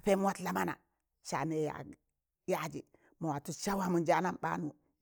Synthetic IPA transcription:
pe˦mu˦wa˦tla˦ma˦na̰˨ | ʃa̰˨ne˨ja̰˨ | ja˦d͡ʒḭ˨ | mo˨wa˨tu˦t͡ʃa˦wa˦mu˨nd͡ʒa˦na˦mɓa̰˦nu˨

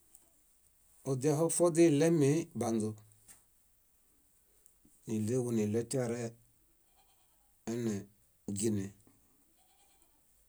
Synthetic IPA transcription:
ɔ˨da˦ɦɔ˦fɔ˦dɪ˦˨lɛ˦mɪ˨˦ba˨ndʊ˨ | nɪ˨le˦wu˨nɪ˨lɛ˦ta˦ɾɛ˦ | ɛ˦nɛ˨ | ɡi˦nɛ˨

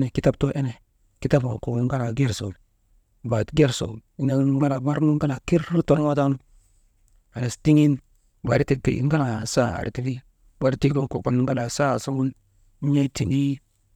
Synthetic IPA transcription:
ne˨ki˦ta˦b̚to˦ʔe˦ne˨ | ki˦ta˦ba˨ko˨˦ŋ˦ɡa˦na˨ɡe˦˨ɾso̰˨l | ba˨tɡe˦˨ɾso̰˨li˦na˨˦ɡa˦na˨ba˦ɾnu˦ŋ˦ɡa˦na˨ki˦ɾi˦to˦n˦wa˦ta˦nu˦ | a˨ne˨sti˦ŋi˦n | ba˨ɾi˦ti˦tḛ˨˦ŋ˦ɡa˦na˨sa˦˨a̰˨ɾḭ˨ti˦fi˦ | wa˨ɾi˦ti˦ɡo˦ko˨ka˦n˦ŋɡa˦la˨sa˦˨sa˦ŋu˦n˦ | ɲa˦ti˨ŋɡi˦

